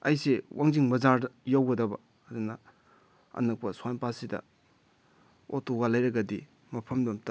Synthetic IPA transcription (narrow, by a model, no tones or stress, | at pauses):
ɐjsewʔaŋziŋmɐzaɾdɐjawɡɐdɐbɐː | dunɐ | ɐ̰nɐk̚pɐswajnpasidɐ̰ | otoɡalɐjɾɐɡɐdi | mɐpʰɐmdomta